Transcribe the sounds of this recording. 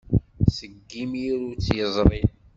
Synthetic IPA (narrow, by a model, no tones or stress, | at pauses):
səɡːimiɾut͡sːjəzˤɾˤi